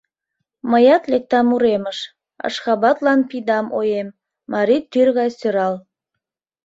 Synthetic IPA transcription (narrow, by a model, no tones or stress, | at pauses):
məjɑt̪lek̚t̪ɑmuɾeməʃ | ə̰ʃxɑβɑt̪lɑnpid̪ɑmo̰jemː | ɑɾit̪ːyrɣɑjsøɾɑl